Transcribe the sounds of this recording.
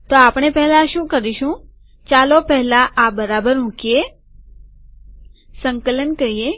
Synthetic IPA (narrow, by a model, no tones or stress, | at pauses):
t̪oapɳ̃epɛɦlaʃũːkəɾiʃũ | t͡ʃalopɛɦlaʔabəɾabəɾmũkje | səŋkələnkəɾie